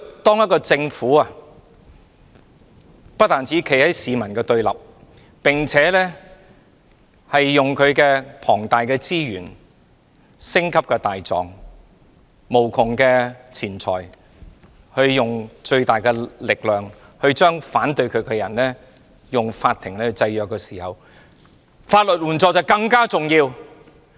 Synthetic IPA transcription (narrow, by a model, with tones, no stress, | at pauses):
t̪ɔː˥ŋjɐ˥t̚kːɔː˧t͡sɪ˧ŋfuː˨˥ɐ˨ | pɐ˥t̚t̪aː˨nt͡sʰiː˨˥kʰe˨˩jhɐ˨˥jsiː˨˧mɐ˨˩nkɛː˧t̪ɵ˧ɥlɐ̰˨˩p̚ | pɪ˨˩ŋt͡sʰɛː˨˥lɛː˥ | hɐ˨jːʊ˨ŋkʰɵ˨˧ɥkɛː˧pʰɔː˨˩ŋt̪aː˨jkɛː˧t͡siː˥jyː˨˩n | sɪ˥ŋkʰɐ˥p̚kɛː˧t̪aː˨jt͡sɔ̰ː˨˩ŋ | mo˨˩wkʰʊ˨˩ŋkɛː˧t͡sʰiː˨˩nt͡sʰɔː˨˩j | hɵ˧ɥːʊ˨ŋt͡ʃɵ˧ɥt̪aː˨˩jkɛː˧lɪ˨k̚lœː˨˩ŋ | hɵ˧ɥt͡ʃœː˥ŋfaː˨˥nt̪ɵ˧ɥkʰɵ˨˧ɥkɛː˧jɐ˨˩nlɛː˥ | jʊ˨ŋfaː˧t̪ʰɪ˨˩ŋlɛː˥hɵ˧ɥt͡sɐ˧jjœː˨kːɛː˧siː˨˩hɐ˨w | faː˧t̚lɵ˨t̚wuː˨˩nt͡sɔː˨k̚t͡sɐ˨˩wkɐ˧ŋkaː˥t͡sʊ˨ŋjiː˧w